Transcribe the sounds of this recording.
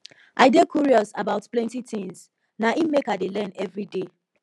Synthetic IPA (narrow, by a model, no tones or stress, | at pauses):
ʔaɪɡekʰuɹiɔsabaʊtplɛ̃ntitĩŋz | naʔimekaɪdelɛ̃nɛvɹide